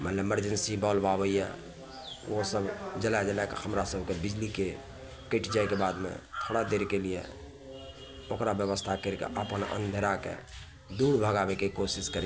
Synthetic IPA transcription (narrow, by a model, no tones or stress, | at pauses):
mət̪ləbeməɾd͡ʒənsibɔːlbawəiɛ̰ | osəbd͡ʒəlad͡ʒəlakḛhəmɾasəbʱkebɪd͡ʒlike | kiʈʰd͡ʒajkebad̪mḛ̃t̪ʰəɽad̪eɾkelijḛ | okɾabjəʋəst̪ʰakəɾkḛʔə̰pənə̰̃nd̪ʱəɾakḛ | d̪uːɾbʱəɡabekikosiskəɾ